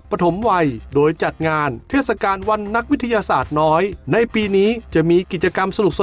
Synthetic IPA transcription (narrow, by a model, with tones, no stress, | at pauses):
pɾa˧t̪ʰo˩˦mwa˧jdoː˧jt͡ɕa˨˩t̪̚ŋaː˧nt̪ʰeː˥˩t̪̚sa˧kaː˧nwa˧nːa˦˥k̚wi˦˥t̪ʰa˧jaː˧saː˨˩t̪̚nɔː˦˥jna˧jpiː˧niː˦˥t͡ɕa˨˩miː˧ki˨˩t͡ɕa˧ka˧msa˧nu˨˩k̚sa˧